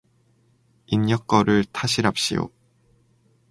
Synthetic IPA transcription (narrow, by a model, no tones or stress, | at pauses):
inɲʌk͈̚ʌɾɯɭtʰaɕʰiɾap̚ɕ͈ḭjo̰